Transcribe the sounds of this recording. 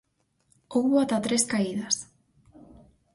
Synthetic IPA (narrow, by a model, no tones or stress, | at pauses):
ooat̪at̪ɾeskaiðas